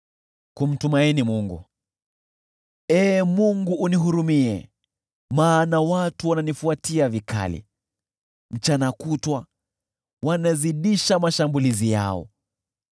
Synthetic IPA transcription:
kum̩tumainimuŋɡṵ | ɛːmuŋɡuʔːniɦuɾumiɛ̰ | maːnawatuwananifuatiavikʰa̰lḭ | m̩t͡ʃanakutwa | wanaziɗiʃamaʃambulizija̰ɔ̰

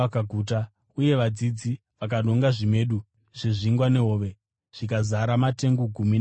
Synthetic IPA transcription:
akaɡʱuːt̬a | uje̞ʋad͡zid͡zi | ʋak̬aɗo̞ŋɡaʐime̞ɗu | ʐ̥eʐiŋɡwane̞ɦoːʋe̞ | ʐ̥ikazaɾamate̞ŋɡoɡʱumin

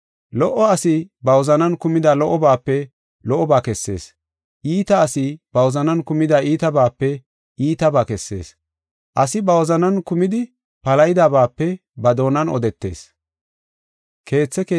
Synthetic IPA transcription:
lɔʔɔɐsɪbɐwɔzɐnɐnkʊmɪd̪ɐlɔʔɔbaːpːɛ | lɔʔɔbaːkɛsːe̞̰ːs | ʔiːt̪ɐːsɪb̥ɐwɔzɐnɐnkʊmɪd̪ɐiːt̪ɐbaːpːɛ | iːt̪ɐbaːkɛsːe̞̰ːs | ʔɐsɪbɐwɔzɐnɐnkʊmɪd̪ɪ | pɐlɐjɪd̪aːbaːpːɛ | bɐd̪o̞ːnɐnɔ̰d̪ɛt̪ːe̞̰ːs | kʰe̞ːt͡sːɛkː

